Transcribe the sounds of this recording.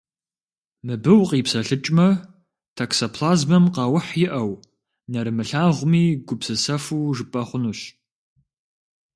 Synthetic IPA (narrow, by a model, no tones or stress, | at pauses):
mɨbɨwqiːpsɐɬɨt͡ʃʼmɐ | tʰaksɐpʰlaːzmɐmqɑwʊħjɪʔɐw | nɐɾɨmɨɬaːʁʷʊmiːɡʷʊpsɨsɐfuːʐɨpʼɐχʷʊnuːɕ